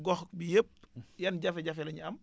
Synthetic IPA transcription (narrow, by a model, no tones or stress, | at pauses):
ɡɔxbijep̚jɐnɟɐfɛɟɐfɛlɐɲɐm